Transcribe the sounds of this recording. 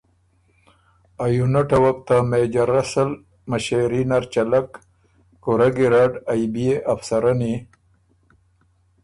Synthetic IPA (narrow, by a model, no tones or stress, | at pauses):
ajunaʈawakt̪amed͡ʑaɾasal | maɕeɾinaɾt͡ʃalakː | uɾaɡiɾaːɖajbieʔafsaɾani